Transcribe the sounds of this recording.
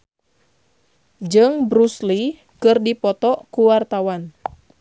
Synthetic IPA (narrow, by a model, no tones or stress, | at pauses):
d͡ʒɨŋbɾusli | kɨrdipɔt̪ɔkuwart̪awan